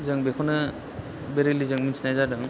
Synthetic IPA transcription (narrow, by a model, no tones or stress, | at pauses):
zɯŋbekʰanɯ | beɾilizɯŋminsinajzadɯŋ